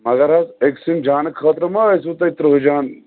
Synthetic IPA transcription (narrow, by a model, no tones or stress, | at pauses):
mɐɡɐɾɦɐseksimd͡ʒaːnɐkʰɐːt̪ɾɐmɐɐs̬ut̪ɐit̪ɾɐɦod͡ʒaːn